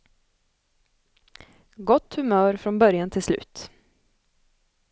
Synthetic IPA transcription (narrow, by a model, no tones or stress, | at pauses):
ɡɔt̪ːhɵmœːɾfɾɔnbœɾjant̪ʰɪlslʉ̰ːt̪